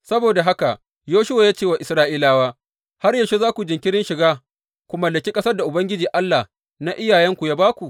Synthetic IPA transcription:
sɐ˦boː˨da˨ɦa˦ka˨ʔ | joː˦ʃʊ˦wa˨jaː˦t͡ʃeː˦wa˨ʔɪ˨sɾaː˦ʔiː˦laː˦waː˦ | ha˦rja˨ʃo˦zaː˦kʷu˨d͡ʒɪ˨ŋkʲɪ˦ɽɪ˦nʃɪ˨ɡaː˦ | kʷu˨mɐ˨lːɐ˨kʲi˦kʼɐ˦sɐ˦rda˨ʔʊ˨bɐ˦ŋɡʲɪ˦d͡ʒiː˨ʔa˦lːa˨h | na˦ʔɪ˦jaː˨jɛ˦ŋkʷu˨jaː˦baː˦kʷu˨ʔ

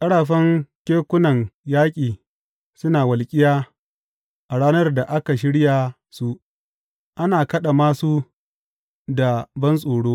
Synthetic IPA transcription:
kʼɐ˦ɽaː˨ɸɐ˦ŋkʲeː˦kʷʊ˦nɐ˨ŋjaː˦kʲʼiː˨ | sʊ˦naː˨wɐ˨lkʲʼɪ˦jaː˦ | ʔa˨ɽaː˦nɐ˦rda˨ʔa˦ka˨ʃ̬ɪ˦ɽja˨ | su˦ | ʔa˦naː˨kɐ˦ɗa˨maː˦su˦ | da˨bɐ˦nsʼoː˨ɽoː˦

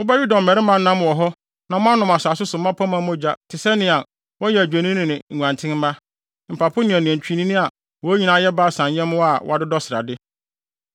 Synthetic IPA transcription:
ʊ˦ba˦ɥu˦da˨m̩˨mɛ˨ɾɪ˦mã˦n̩˦nã˦mʊ̃˨wɔ˨ɦɔ˦ | nã˨mʊ̃˦a˦nʊ̃˨ma˨saː˨s̬ʊ˦sʊ˨˦mã˦pʰa˦mã˦mʊ̃˦d͡ʑa˦tʰɪ˨sɛ˦nɪ̃˨a˨ | wɔ˦jɛ˨æ˨d͡ʑᶣæ˨nĩ˦nɪ̃˨nɪ̃˨ã˨ntʰɪ̃˦m˦mã˦ | m̩˨pʰa˨pʰʊ˦nɪ̃˨ɛ˨nɪ̃˨ɛ̃˨ɲ˨t͡ɕᶣi˨˦nĩ˦nɪ̃˦a˨ | wɔ˨æ˦ɲĩ˨nã˨˦jɛ˦ba˦˨sã˨njɛ̃˦mʊ̃˦a˨wʔa˦dɪ˦dɔ˦sɪ˨ɾa̰˨dɪ˦

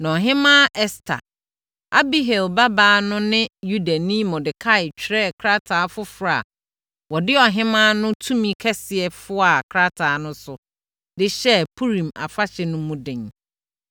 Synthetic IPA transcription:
nã˨ɔ˨ɦɪ̃˦mã˦ʔɛ˦stʰa̰˨ | a˦bi˦ɦɛ˨lba˦baː˦nʊ̃˦nɪ̃˦ju˦da˨nĩ˦mɔ̃˨dɪ˨kʰa˦ɪ˨t͡ɕᶣʰɾɛ˦kʰɾa˦tʰaː˨˦fʊ˦fʊ˨ɾa̰˨ | wɔ˨dɪ˦ɔ˨ɦɪ̃˦mã˦nʊ̃˦tʰũ˦mĩ˦kʰɛ˦sɪ˨ɛ˨fʊ˦a˨kʰɾa˦tʰa˨˦nʊ̃˦sʊ˨ | dɪ˦ɕɛ˦pʰu˦ɾĩ˨ma̰˨fa˦ɕɛ˨nʊ̃˦mũ˦dɪ̃˨n

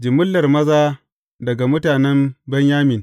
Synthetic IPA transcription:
d͡ʒɪ˨mʊ˦lːɐ˨rmɐ˦zaː˦ | dɐ˨ɡa˨mʊ˦taː˨nɛ˦mbɐ˦ɲjaː˦mɪ˨n

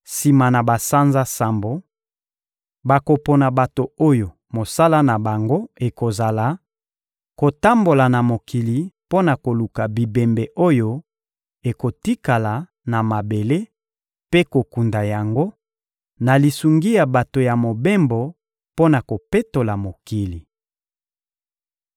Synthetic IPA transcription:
si˨ma˨na˨ba˨sa˦nza˦sa˨mbo˨ | ba˨ko˨po˨na˨ba˨to˨o˦jo˨ | mo˨sa˦la˦na˨ba˨ŋɡo˦e˨ko˨za˨la˨ | ko˨ta˦mbo˨la˨na˨mo˨ki˨li˨po˦na˨ko˨lu˨ka˨bi˨be˨mbe˨ʔo˦jo˦ | e˨ko˨ti˦ka˨la˨ | na˨ma˨be˨le˦ | pe˦ko˨ku˨nda˨ja˨ŋɡo˦ | na˨li˨su˨ŋɡi˦ja˨ba˨to˨ja˨mo˨be˦mbo˨ | po˦na˨ko˨pe˦to˨la˨mo˨ki˨li˨

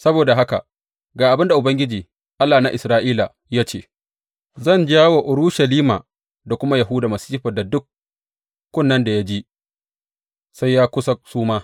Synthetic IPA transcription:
sɐ˦boː˨da˨ɦa˦ka̰˨ | ɡaː˨ʔa˨bɪ˦nda˨ʔʊ˨bɐ˦ŋɡʲɪ˦d͡ʒiː˨ | ʔa˦lːaː˨na˦ʔɪ˨sɾaː˦ʔiː˦la˨ | jaː˦t͡ʃeː˦˨ | zɐ˦˨nd͡ʒaː˦wo˨ʔʊ˨ɾu˦ʃa˨liː˦ma̰˨ | da˨kʷʊ˦ma˦ja˨ɦuː˦daː˨mɐ˨si̥˦ɸɐ˨da˨dʊ˦kːʷ | ʊ˦nːɐ˦nda˨ja˦d͡ʒi˦ | sa˦jːaː˦kʷʊ˦sa˦suː˦maː˦

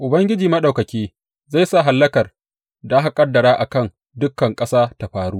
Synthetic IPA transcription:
ʔʊ˨bɐ˦ŋɡʲɪ˦d͡ʒiː˨mɐ˦ɗa˨wkɐ˨kʲiː˦ | za˦˨jsa˦˨ɦa˨lːɐ˦kɐ˨r | da˨ʔa˦ɦa˨kʼɐ˦dːɐ˨ɾaː˦ʔa˨kɐ˦˨ŋ | dʊ˦kːɐ˨ŋkʼɐ˦saː˦ta˨ɸaː˨ɽuː˦ʔ

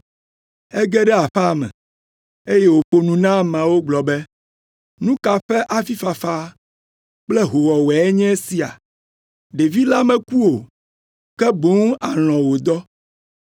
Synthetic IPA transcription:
ɛ˦ɡɛ˦ɖɛ˦a˨ɸa˦˨mɛ̰̃˨ | e˦jɛ˦wo˨ɸo˨nũ˨nã˦mã˨wo˦ɡ͡blɔ˨bɛ˦ | nũ˦ka˨ɸɛ˦ʔa˨fi˦fa˨fa˦ | k͡plɛ˦ɦo˨wɔ˨wɛ˨ɛ˦ɲɛ̃˦si˨a̰˨ | ɖe˨vi˦la˦mɛ̃˨ku˦wo˨ | kɛ˦bo˦ŋ˦a˨l̃ɔ̃˨wo˨d̪ɔ˦

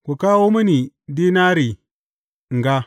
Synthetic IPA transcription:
ku˨ka˦wo˦mi˦ni˨ | di˦na˦ɾi˨ | ŋ˨ɡa˦

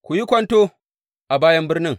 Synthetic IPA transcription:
kʷu˨ji˦kʷɐ˦ntoː˦ | ʔa˨baː˦jɐ˦mbɪ˦rnɪ˦ŋ

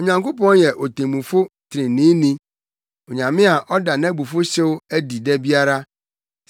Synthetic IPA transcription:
o˨ɲã˨ŋko˦pɔ̃˦njɛ˨ʔo˨tʰẽ˨mũ˨fʊ˦tʰɪ˨ɾɪ̃˨nĩː˦nĩ˦ | o˨ɲã˨mɪ̃˦a˨ʔɔ˦da˨nã˦bu˨fʊ˦ɕɛ˦wæ˦di˨dɛ˦bi˦a˦ɾa˦

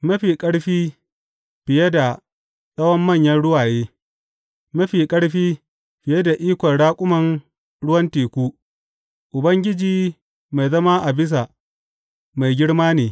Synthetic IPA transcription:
mɐ˦ɸiː˨kʼɐ˦ɽɸiː˦ | ɸɪ˨je˦da˨ | sɐ˦wɐ˦mːɐ˦˨ɲjɐ˦nɽʊ˦waː˨jeː˦ | mɐ˦ɸiː˨kʼɐ˦ɽɸiː˦ | ɸɪ˨je˦da˨ʔiː˦kʷɔ˨nɽaː˦kʷʼʊ˦mɐ˨n | ɽʊ˦wɐ˦nteː˨kʷuː˦ | ʔʊ˨bɐ˦ŋɡʲɪ˦d͡ʒiː˨ | ma˨jzɐ˦maː˦ʔa˨bɪ˦s̬a˨ | ma˨jɡʲɪ˦ɽmaː˦neː˨

